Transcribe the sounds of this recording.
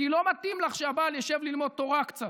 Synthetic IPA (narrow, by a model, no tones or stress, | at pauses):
kilo̞mat̪imlaχʃeabaljaʃevlilmo̞d̪̚t̪o̞ʁakt͡sat